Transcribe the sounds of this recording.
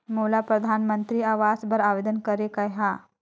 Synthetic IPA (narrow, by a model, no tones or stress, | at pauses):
molapɾəd̪ʱanmənt̪ɾiːaʋasbəɾaʋed̪ənkəɾekəjɦa